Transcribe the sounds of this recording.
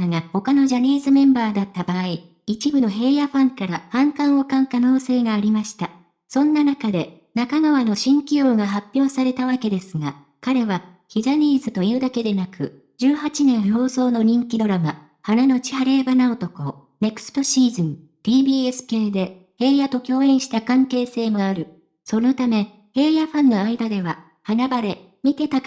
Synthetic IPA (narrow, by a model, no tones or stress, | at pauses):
ɡaho̞kano̞ʑaɾʲiːzɨmẽ̞mbaːd̪at̪ːabaːi | it͡ɕibɯ̟no̞ɦe̞ːjaɸãŋkaɾahãŋkãɰ̃o̞kãŋkano̞ːse̞ːɡaːɾʲimaɕi̥t̪a | sõ̞nːanakad̪e̞ | nakaɡaβano̞ɕĩŋkʲijo̞ːɡaɦapʲjo̞ːsaɾe̞t̪aβake̞d̪e̞sɨŋa | kaɾe̞βa | çiʑaɲ̟ʲiːzɨt̪o̞jɯ̟ːd̪ake̞d̪e̞nakɯ̟ | d͡ʑɨːhat͡ɕinẽ̞ɰ̃ho̞ːso̞ːno̞ɲ̟ĩŋkʲid̪o̞ɾama | hanano̞t͡ɕi̥haɾe̞ːbanao̞t̪o̞ko̞ | ne̞kɯ̥sɨ̥t̪o̞ɕiːzɨ̃m | t̪ʲiːbʲiːesɨ̥ke̞ːd̪e̞ | he̞ːjat̪o̞kʲo̞ːẽɰ̃ɕi̥t̪akãŋke̞ːse̞ːmo̞aɾɯ̟ | so̞no̞t̪ame̞ | he̞ːjaɸãnːo̞aid̪ad̪e̞βa | hanabaɾe̞ | mʲit̪e̞t̪a